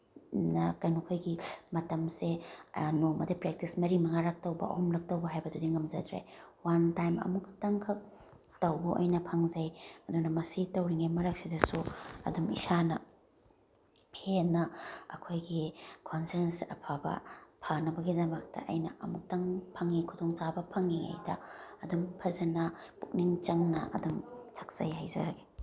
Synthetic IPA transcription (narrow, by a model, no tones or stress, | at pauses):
nɐkɐjnukʰojɡimɐtɐmsenomɐdɐpɾek̚tismɐɾimɐŋaɾak̚tɐwbɐ̰ʔɐ̰humlɐk̚tɐwbɐɦajbɐdudiŋɐmzɐdɾḛwantajmɐ̰muktɐŋkʰɐk̚ | tɐwbuʔɐ̰jnɐpʰaŋzɐjɐdunɐmɐsitɐwɾiŋemɐɾɐk̚sidɐsuɐ̰dumḭsanɐ | pʰenɐɐ̰kʰojɡikʰonsensɐ̰pʰabɐ̰pʰanɐbɐɡidɐmɐk̚tɐ̰ʔɐjnɐɐmuk̚taŋpʰɐŋikʰudɔŋt͡ʃabɐpʰɐŋiŋa̰jdɐ̰ɐdumpʰɐzɐnɐpuk̚niŋt͡ʃɐŋnɐ̰ʔɐ̰dumsʰak̚zajhajzɐ̰ɾaɡe̥